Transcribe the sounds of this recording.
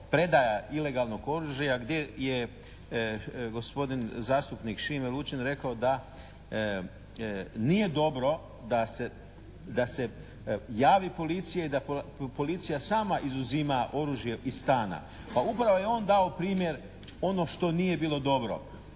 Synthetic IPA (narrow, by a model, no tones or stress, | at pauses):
pɾe̞d̪ajaile̞ɡalˠno̞ɡo̞ɾuʒajaɡd̪je̞je | ɡo̞spo̞d̪inzaːst̪upnikʃimelut͡ʃenɾe̞kaod̪a | nije̞d̪o̞bɾo̞ | d̪ase | d̪ase̞ | jaːʋipo̞lit̪sijaid̪apo̞lit̪sijasaːmaʔizuzimaʔo̞ɾuːʒje̞ʔist̪aːna̰ | paupɾaʋojeo̞ːnd̪ao̞pɾiːmje̞ɾ | o̞no̞ʃt̪o̞nije̞biːlo̞d̪o̞bɾo̞̰